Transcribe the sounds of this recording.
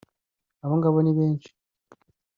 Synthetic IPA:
aβoŋɡaβoniβeːnt͡ʃi̥

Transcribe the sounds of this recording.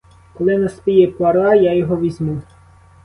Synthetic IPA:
kɔlˠɪnɐspijɛpaɾɑjajɔɦɔʋʲizʲmu

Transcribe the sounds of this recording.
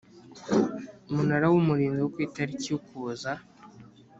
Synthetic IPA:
umunaɾawumuɾiːnziwokwiːtaɾicijukuza

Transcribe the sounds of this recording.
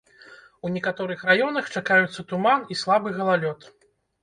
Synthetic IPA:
wnʲɛkat̪ɔɾɨxrajɔnɐxt͡ʂakajut̪sːɐt̪umanislˠabɨɣɐlˠalʲɔt̪

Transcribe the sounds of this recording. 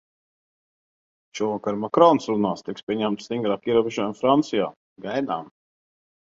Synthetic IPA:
ʃuɔvakaɾmakɾɔnsɾunaːst̪ikspʲiɛɲæmt̪st̪iŋɡɾaːkiɛɾuːbʲeʒɔjumfɾant̪sija̰ː | ɡajd̪a̰ːm

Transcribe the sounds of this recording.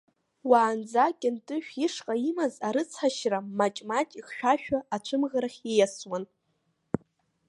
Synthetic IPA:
waːnd͡zakʲʼɪntʼɨʃᶣiʂqʼaimazaɾɨt͡sʰħaʃramat͡ʃʼmat͡ʃʼiχʃᶣaʃᶣaat͡ʃʷʰɨmʁaɾaχʲejaswan

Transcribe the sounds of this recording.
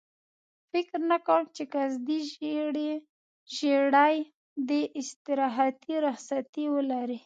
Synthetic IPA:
fɪkɾnakawəmt͡ʃekazd̪iɽ | ʒeɽaj | d̪əʔɪst̪ɪɾɑɦat̪iɾaxsat̪iwəlaɾi

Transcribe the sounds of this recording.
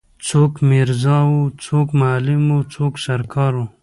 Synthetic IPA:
t͡sʰoːkmiɾzɑwut͡sʰoːkmaːlimut͡sʰoːksɐɾkʰɑːɾu

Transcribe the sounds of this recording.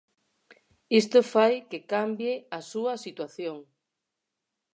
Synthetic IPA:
ist̪ofajkekambjeɐsuɐsit̪waθjoŋ

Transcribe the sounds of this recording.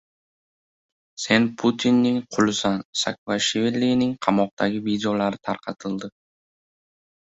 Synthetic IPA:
se̞npʰʊt̪ʰinːɪŋqʰʊlˠɪsansa̰kvaʃvelːinɪŋqʰɑmɒq̚t̪ʰaɡʲɪvid̪eolaɾɪt̪ʰaɾqʰɑt̪ʰɪlˠd̪ɪ

